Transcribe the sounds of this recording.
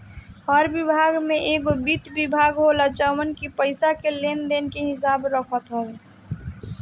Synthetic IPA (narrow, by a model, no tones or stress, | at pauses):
həɾbɪbʱaːɡmẽʔeɡobit̪bɪbʱaːɡɦolat͡ʃəwənkipəɪsakelend̪enkeɦɪs̬aːbɾəkʰət̪ɦoe